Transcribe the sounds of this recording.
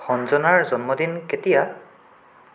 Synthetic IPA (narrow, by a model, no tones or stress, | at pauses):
xɔnzɔnaɹzɔnmɔdinketija